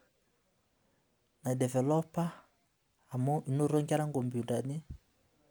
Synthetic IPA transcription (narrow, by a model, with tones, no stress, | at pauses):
na˨dɛ˨vɛ˨lɔ˦paː˦˨ | mo˦ʔi˨no˦ɾo˦ŋɡa˦ɾa˦ŋɡɔ˨mbju˨ta˨nɪ˦